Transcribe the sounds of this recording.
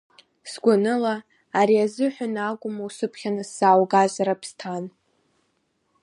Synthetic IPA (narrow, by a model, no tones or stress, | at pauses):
sɡʷʊnɨlaː | ɾiazɨħʷᶣanaɡʷʼʊmawsɨpʰχʲanɨsːawɡaʒʷaɾapʰstʰan